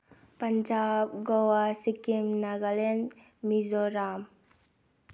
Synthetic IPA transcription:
pɐnd͡ʒab̚ɡɔwasikimnaɡalen | mizɔɾam

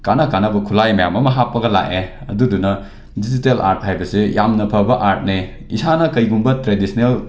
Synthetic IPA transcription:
kanɐkanɐbɐkʰulajmɐja̰mɐmɐɦapːɐɡɐla̰ʔeɐ̰dudunɐ | dizitela̰ɾt̚hajbɐsijamnɐpʰɐbɐʔaɾt̚ne | isanɐkɐjɡumbɐtɾedisʰinel

